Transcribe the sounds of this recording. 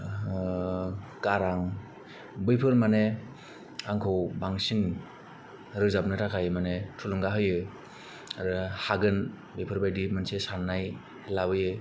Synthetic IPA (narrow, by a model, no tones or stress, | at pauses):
kaɾaŋ | bɯjpʰɯɾmane | aŋkʰɔwbaŋsin | ɾɯzap̚nɯtʰakʰajmanetʰulɯŋɡaɦɯjɯ | aɾɯhaɡɯn | bɯjpʰɯɾbajdimansesanːaj | labɯjɯ